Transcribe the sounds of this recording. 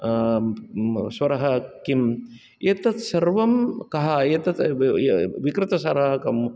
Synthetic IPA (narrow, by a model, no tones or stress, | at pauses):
sʋɐɾɐɦɐkim | jet̪ɐt̪sɐɾʋɐmkɐɦɐjet̪ɐt̪ | ʋikɾɪt̪ɐsɐɾɐɐkɐm